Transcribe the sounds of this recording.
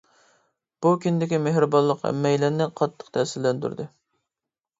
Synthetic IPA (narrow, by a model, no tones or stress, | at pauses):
b̥ukʲynd̪ɪkʲimeɦɾɪbɑlˠːəqɛ̰mːɛjlæɾnɪqʰɑt̪ʰːə̥qt̪ʰɛsɪlːɛnt̪y̰ɾd̪ɨ